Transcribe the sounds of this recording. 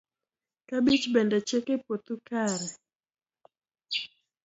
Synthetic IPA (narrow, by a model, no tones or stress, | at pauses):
kabit͡ʃbɛndɛt͡ʃɛkɛpot̪ukaɾɛ